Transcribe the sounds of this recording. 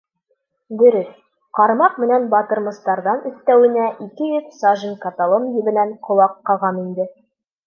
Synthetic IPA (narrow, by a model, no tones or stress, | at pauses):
d̪ɵ̆ɾɘs | qɑɾmɑqmɘ̆nænbɑt̪ɤ̆ɾmɤ̆st̪ɑɾðɑnɵ̆st̪æwɘ̆næʔikɘjɵt̪sɑʒɘnkɐt̪alˠomjɘ̆bɘ̆næɴqʰŏlˠɑqːɑʁɑnind̪ɘ